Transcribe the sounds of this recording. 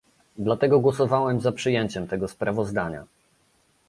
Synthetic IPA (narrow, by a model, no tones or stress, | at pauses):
d̪lat̪ɛɡɔɡwɔsɔvawɛmzapʂɘjɛɲt͡ɕɛmt̪ɛɡɔspɾavɔzd̪aɲa̰